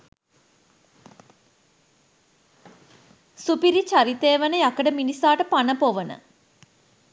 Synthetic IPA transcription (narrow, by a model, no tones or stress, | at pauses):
supiɾit͡ʃaɾit̪eːʋənəjakəɖəminisaːʈəpanəpoʋənə̰